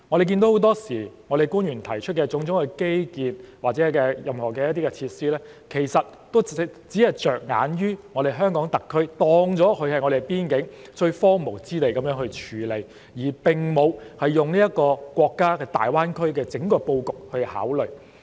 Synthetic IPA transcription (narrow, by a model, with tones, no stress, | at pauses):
ŋɔ˨˧ɾe˨kiː˧nd̪o˨˥who˨˥wt̪ɔː˥siː˨˩ŋɔ˨˧ɾe˨jkuː˥njɥyː˨˩nt̪ʰɐ˨˩jt͡ʃʰɵ˥t̚kɛː˧t͡sʊ˨˥ŋt͡sʊ˨˥ŋhke˥jkiː˨˧nwaː˨k̚t͡sɛː˨˥kɛː˧jɐ˨mhɔː˨˩kɛː˧jɐ˥t̪iː˥kɛ˧t͡sʰiː˧t̚siː˥lɛː˥ | kʰe˨˩jsɐ˨t̚t̪o˥wt͡siː˨˥hɐ˨jt͡sœː˨˩k̚ŋa̰ː˨˥njyː˥ŋɔː˨˧ɾe˨jɦœː˥ŋkɔː˨˥ŋt̪ɐ˨kʰːɵ˥ɥt̪ɔː˧ŋt͡sɔː˨˥kʰɵ˧ɥhɐ˨jŋɔ˨˧ɾe˨˩piː˥nkɪ˨˥ŋt͡ʃɵ˧ɥfɔː˥mo˨˩wt͡siː˥t̪e˨jkɐ˨˦mjœː˧˥ŋhɵ˧ɥt͡ʃʰyː˨˧le˨˧j | jiː˨˩pɪ˨ŋmo˨˧whɐ˨jːʊ˨ŋniː˥jɐ˥t̚kɔː˧kwɔː˧kːaː˥kɛː˧t̪a̰ː˨jwaː˥nkʰɵ˥ɥkɛː˧t͡sɪ˨˥ŋkɔː˧po˧wkʊ˨k̚hɵ˧ha̰ː˨˥wlɵ˨˩ɥ